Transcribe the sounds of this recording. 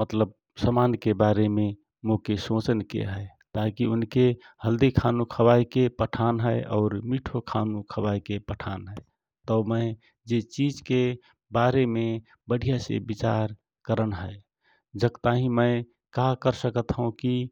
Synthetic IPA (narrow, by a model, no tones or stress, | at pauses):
mət̪ləb̚ | səmaːnkebaɾeme | mokesõt͡ʃənkḛɦəet̪akiʊnke | həld̪ikʰanũkʰəbajkepəʈʰanɦəʔɔːɾmiʈʰokʰanũkʰəbajkepəʈʰanɦəe | t̪əʊməɪ | d͡ʒet͡ʃid͡ʒke | baɾeme | bəɽ̤ʱijasḛbit͡ʃaɾ | kəɾənɦəe | d͡ʒəkt̪aɦĩməɪ | kakəɾsəkət̪ɦũki